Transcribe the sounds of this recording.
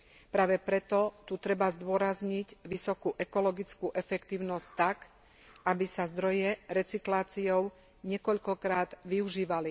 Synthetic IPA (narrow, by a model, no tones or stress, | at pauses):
pɾaːʋɛpɾɛt̪ɔt̪ut̪ɾɛbazd̪ʊɔɾazɲiɟʋisɔkuʔɛkɔlɔɡit͡skuʔɛfɛkt̪iːʊnɔsct̪ːak | ʔabisazd̪ɾɔjɛɾɛt͡siklaːt͡siɔʊ | ɲɛkɔʎkɔkɾaːd̪ʋiuʒiːʋali